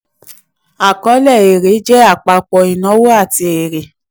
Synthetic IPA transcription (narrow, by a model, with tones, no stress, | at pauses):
a˨kɔ˨˦lɛ˦˨e˨ɾe˨˦d͡ʒɛ˦a˦˨k͡pa˧k͡pɔ˨i˨nɔ̃˨˦wo˦a˦˨ti˧e˨ɾe˨